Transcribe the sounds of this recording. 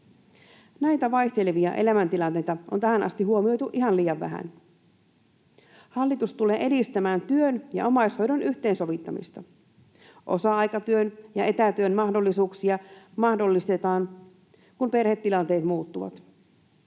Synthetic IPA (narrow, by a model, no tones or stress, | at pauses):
næjt̪æʋɑjçt̪e̞leʋiɑ̰ʔe̞̰læmænt̪ilɑnt̪e̞jt̪ɑʔo̰nt̪æhænʔɑ̰st̪iɦuomio̞jt̪uʔiɦɑnliːjɑʋʋæ̰ɦæ̰n | hɑlːit̪ust̪ule̞ːʔe̞dist̪æmæːnt̪yønjɑ̰ʔo̞mɑisho̞jdonʔyht̪eːnso̞ʋit̪ːɑmḭst̪ɑ | ʔo̞̰sɑɑjkɑt̪yønjɑʔe̞t̪æt̪yønmɑhdo̞lːisuːksiɑmɑhdo̞lːist̪e̞t̪ɑːn | kumpe̞rhe̞t̪ːilɑnt̪e̞ːt̪muːt̪ːuʋɑ̰t̪